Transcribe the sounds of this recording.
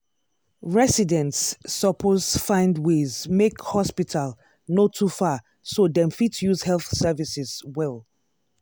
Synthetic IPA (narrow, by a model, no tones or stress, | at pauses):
ɹɛsidɛ̃ntsːɔpʰozfãɪ̃ndwezmekhɔspitʰal | notʰufa | sodɛ̃mfitʰjuzhɛlˠθsɛvisɪzwɛlˠ